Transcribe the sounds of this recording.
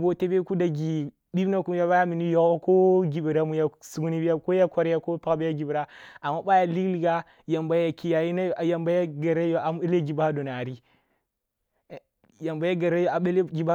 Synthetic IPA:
bo˦te˦be˦ku˦da˨ɡi˨ | bi˦bna˦ku˦m˦ja˦ba˦ja˦mi˨ni˦jo˨o˦ko˦ɡi˨bi˨ɾa˦mu˦ja˦su˦ɡu˦ni˦bi˦ja˦ko˦ja˦ka˦ɾja˦ko˦pa˦bi˦ja˦ɡi˨bi˨ɾa˦a˨mːa˦ba˦ja˦li˦kli˨ɡa˦ | ja˨mba˦ja˨ki˦ja˨ji˦na˦˨ja˨mba˦ja˦ɡa˨ɾa˦jo˨a˨m˦e˦le˦ɡi˨ba˦do˨na˨ɾi˦˨ | ja˨mba˦ja˦ɡa˨ɾa˦jo˨a˨e˦lɡi˨ba˦

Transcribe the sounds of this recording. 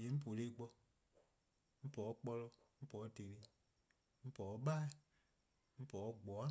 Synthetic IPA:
je˨˦m̩̃˦p̬o˨le˦˨ɡ͡bɔ˧ | m̩˦pɔ˨˦k͡pɔ˧lɔ˧ | m̩˦pɔ˨˦te˨ɾi˨ | m̩˦pɔ˨˦ɓa˦˨ | m̩˦pɔ˨˦ɡ͡bɔ˨˦a˦

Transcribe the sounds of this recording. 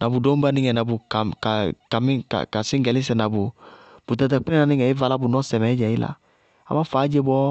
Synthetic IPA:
na˨bu˨do˦m˦ba˦nɪ˦ŋɛ˨na˨bu˨ka˨ka˨ka˨mi˦ka̰˨ka˨sɪ˦ŋ˦ɡɛ˨li˦s̬ɛ˨na˨bu˨b̥u˨ta˨t̬ɛ˨k͡pi˦ɛ˦na˨˦nɪ˦ŋɛ˨i˦va˦la˦bu˨nɔ˦sɛ˨mɛ˨˦d͡ʒɛ˨ji˦la̰˨ | a̰˨ma˦faː˨˦d͡ʒe˦bɔ˦

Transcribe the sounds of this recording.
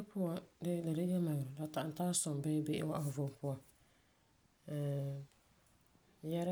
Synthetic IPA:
pʊ˦ɔ˨dɪ˦la˨da˦jɛ˦ma˨jʊ˨ɾʊ˨la˨ta˨n˨taː˦sɔ˨m˨bɛː˦be˦ʔɪ̰˦wa˦ʔa˨vʊ˨pʊ˦ɔ˨ | jɛ˦ɾ

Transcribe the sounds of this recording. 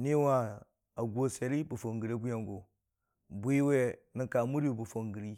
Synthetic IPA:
ni˦wa˦ | a˨ɡʷo˦se˨ɾi˦bu˨fo˨ŋɡi˨ɾe˦bu˦ja˨ŋɡo˨ | bu˦i˦we˦nə˦ŋka˨mu˦ɾi˦u˨bu˨fo˨ŋɡi˨ɾi˦

